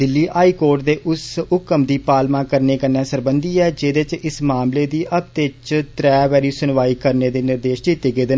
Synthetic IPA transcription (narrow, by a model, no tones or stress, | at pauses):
d̪ɪlːiːʔaːiːkoːɾʈd̪eːʔʊsʊkəmd̪iːpaːlmãːkəɾneːkəɾnɛːsəɾbənd̪iːɛːd͡ʒeːd̪eːt͡ʃɪsmaːmleːd̪iːʔəb̚t̪et͡ʃt̪ɾɛːʋɛːɾiːsʊnʋaːiːkəɾneːd̪eːnɪɾd̪eːʃd͡ʒiːt̪eɡeːd̪e